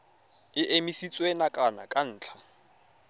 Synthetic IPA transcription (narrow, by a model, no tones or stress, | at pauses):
ɪʔemisit͡sʼwenakʼana̰kʼan̩ːt͡ɬʰḁ